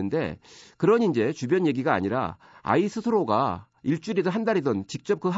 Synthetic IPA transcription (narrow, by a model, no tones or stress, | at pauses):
ɯnde̞̰kɯɾʌnind͡ʑe̞t͡ɕubjʌnje̞ɡiɡaa̰ɲiɾa̰ | a̰isʰɯsʰɯɾoɡa̰ | iɭt͡ɕ͈uɾidoɦandaɾidʌnt͡ɕik̚t͡ɕ͈ʌp̚kɯɦ